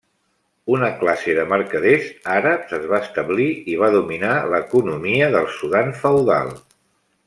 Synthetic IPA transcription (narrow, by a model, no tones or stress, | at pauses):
unəklaseðəməɾkəðezaɾəpzəzβaəst̪əβliiβ̞aðuminaləkunumiəðəlˠsuðaɱfəwða̰lˠ